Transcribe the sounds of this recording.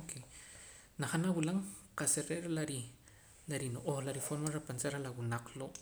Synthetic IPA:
ke | naχanawulaŋqaseɾeʔɾlaɾi | laɾinoʔoχlaɾifoɾmaɾapansaɾalawunaq͡χloʔ

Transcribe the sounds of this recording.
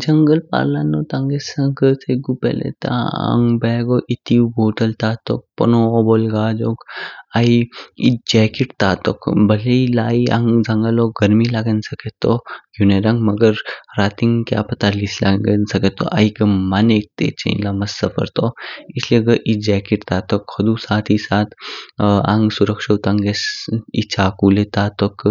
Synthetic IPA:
d͡ʒɐŋɡəlpa̰ːlanːot̪ãŋɡesə̃ɡət̪ʰeɡupḛlḛt̪ã̰ã̰ŋbɛːɡoʔit̪iuboːʈəlt̪aːt̪ok̚pɐ̰noːbolɡaːd͡ʒokaiid͡ʒɛːkiʈt̪aːt̪o̰kbɐleilaːia̰ŋd͡ʒɐŋɡaloɡɐɾmilaːɡənsɐket̪ːoɡuneɾɐ̃ŋɡmɐɡəɾɾaːt̪iŋkja̰pɐt̪alisla̰ɡnsɐket̪ːo̰ʔa̰ikɐmaneːk̚t̪ḛːt͡ʃɐ̰ḭ̃lamɐsːɐfʰə̰ɾt̪oislieɡɐʔid͡ʒɛːkiʈt̪aːt̪okhɐd̪usaːt̪ʰisaːt̪ʰ | ã̰ŋɡsuɾəkʃɐt̪ãŋɡesḭt͡ʃaːkuːlet̪aːt̪ok

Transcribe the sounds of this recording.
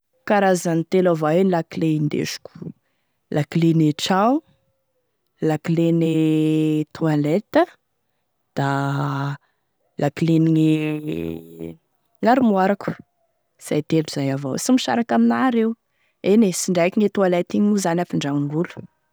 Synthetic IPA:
kaɾazanit̪elavaelakileind̪ḛʃu̥ku̥ | lʔakileneʈ͡ʂaw | lakilene | t̪ʰualɛt̪ə | d̪̥a | lakileniŋe | ŋaɾimuaɾaku̥ | z̥ajt̪eluz̥ajavo̰wsimiʃa̰ɾakaminaːɾew | enesiɳɖ͡ʐajkiŋet̪ualet̪iɲuzanafiɳɖ͡ʐaŋiulu̥

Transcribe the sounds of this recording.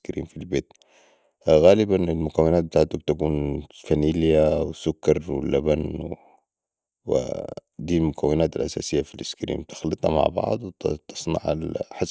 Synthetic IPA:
kɾʔḭːmfilbeːt̪ | ɣaːlɪbanɪlmʊkawːɪnaːt̪̚bɪt̪aːʕt̪ub̚t̪akuːnfamiːljawɪsʊkːɑɾˤwɪlaban | w̰d̪iːlmʊkawːɪnaːt̪alʔasa̰ːsɪjːafilʔɪskɾḭːmbt̪ɪ̥xlɨt̪ˤhɑ̰ma̰ʕbɑ̰ʕd̪ˤw̪t̪ɨ̥sˤnɑ̰ʕalħas

